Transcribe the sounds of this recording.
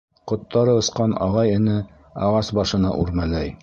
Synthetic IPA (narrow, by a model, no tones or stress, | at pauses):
qŏt̪ːɑɾɤɤ̆sqɑnɑ̰ʁɑjɘ̆nɘ | ɑʁɑsbɑʃɤ̆nɑ̰ʔuɾmælæj